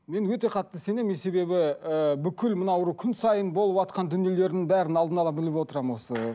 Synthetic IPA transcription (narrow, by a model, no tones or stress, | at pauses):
me̞nwɵt̪e̞qʰɑt̪ːəse̞ne̞mese̞be̞bɪbʏkʲʰɪlmənɑwɾukʲʰʏnsɑjənbo̞lˠəpɑt̪̚qɑnd̪ʏnje̞le̞ɾɪnɪŋbæɾɪnɑlˠd̪ənɑlˠɑbɪlɪpwo̞t̪əɾɑmwo̞sə